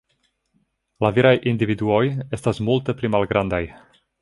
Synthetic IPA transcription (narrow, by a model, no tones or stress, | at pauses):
laviɾajʔindividuo̞je̞stasmulte̞plimalɡɾʔandaj